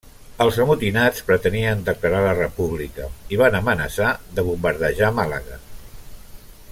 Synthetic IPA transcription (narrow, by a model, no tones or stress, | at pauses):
əlˠzəmut̪inat͡spɾət̪əniənd̪əkləɾalərəpuβlikəiβanəmənəsaðəβumbəɾðəʒamalaɣa